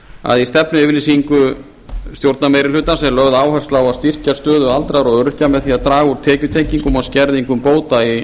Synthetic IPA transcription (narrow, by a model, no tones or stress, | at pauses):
a̰ðist̪ɛpnʏɪvɪɾlɪsiŋkʏ | st̪jowɾt̪namejɾɪlʏːt̪ansɛlœɣðaːwhɛ̥st̪lawaðst̪ir̥cast̪œːðʏalt̪ɾaɾɔɣœɾʏhcamɛðθiaðt̪ɾaːɣuɾ̥t̪ʰɛːcʏt̪ʰejciŋkʏmɔðscɛɾðiŋkʏmpoːwt̪ai